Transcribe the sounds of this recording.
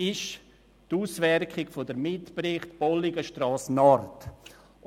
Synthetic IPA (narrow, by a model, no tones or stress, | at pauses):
ɪʃ | tuːsvɛɾkχɪɡfodəɾmɪtprɪχtb̥ɔliɡəʃtrɑːsnɔrt